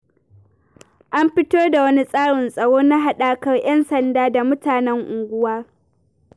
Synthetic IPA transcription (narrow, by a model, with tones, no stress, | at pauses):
ʔa˦mɸɪ˦toː˦da˨wɐ˦ni˦sʼaː˦ɽɪ˨nsʼɐ˨ɽoː˦na˦ɦa˦ɗaː˨kɐ˦rj̰ɐ˦nsɐ˨ndaː˦da˨mʊ˦taː˨nɛ˦ŋʔʊ˨ŋɡʷʊ˦waː˦